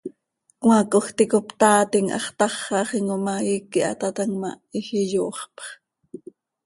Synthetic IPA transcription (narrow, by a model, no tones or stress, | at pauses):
kŋwɑkoxt̪ikopt̪ɑːt̪iŋʔɑ̰χt̪ɑχːɑχiŋomɑikːiʔɑ̰t̪ɑt̪ɑŋmɑ | ixijoːχpχ